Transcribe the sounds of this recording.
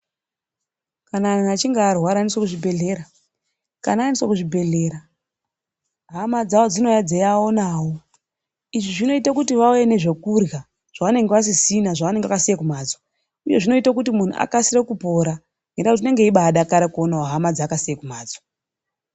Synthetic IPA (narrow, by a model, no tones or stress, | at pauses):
kananat͡ʃiŋɡaːrwaɾaniswakuʐibʱe̞ɮe̞ːɾa | kananiswakuʐibʱe̞ɮeːɾa | ɦamad͡zawo̞d͡zino̞jad͡zejaonaːwo̞ | iʐiʐino̞itakutiʋaujene̞ʐe̞kurja | ʐ̥aʋane̞ŋɡeʋas̬isinaʐaʋane̞ŋɡakasijekumaːd͡zo | uje̞ʐino̞itak̬utimun̤ṵʔa̰kasirekupo̞ɾa | ŋɡendakutine̞ŋɡe̞iɓaːɗakaɾakuonawoɦamad͡zaːkasijekumaːd͡zo